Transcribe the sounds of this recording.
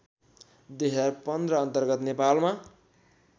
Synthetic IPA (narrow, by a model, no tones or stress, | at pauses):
d̪eɦʌrpʌnd̪rʌʌnt̪ʌrɡʌt̪nepalma